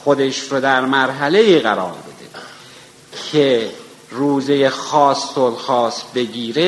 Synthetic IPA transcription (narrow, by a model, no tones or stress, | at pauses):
xod̪eʃɾod̪æɾmæɾɦæle̞iːɣæɾɒ̰ːɾbe̞d̪ḛ | kʰe | ruːzejexɒːsːolxɒːsbe̞ɟiːɾe